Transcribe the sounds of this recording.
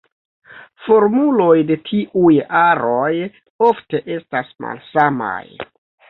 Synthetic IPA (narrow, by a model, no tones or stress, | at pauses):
fo̞ɾmulo̞jde̞tʰiʔujaɾo̞j | o̞fte̞ʔe̞stasma̰lsama̰j